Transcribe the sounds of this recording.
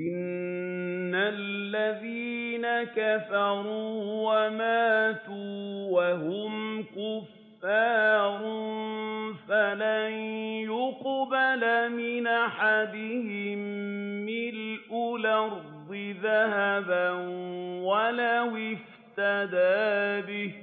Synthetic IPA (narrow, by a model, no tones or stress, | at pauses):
ʔɪnː | alːaðiːnakafɑɾuːwamaːt̪uːwaɦʊmkʊfː | ɑːɾˤnfalanjʊqbalamɪnʔaħad̪ɪhɪmːɪlʔʊlaɾˤ | ɪðahabanwalawɪf | t̪ad̪aːbɪh